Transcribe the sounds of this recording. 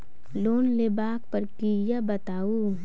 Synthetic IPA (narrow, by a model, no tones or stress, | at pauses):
loːnlebaːk̚pɐɾkijabɐt̪aːu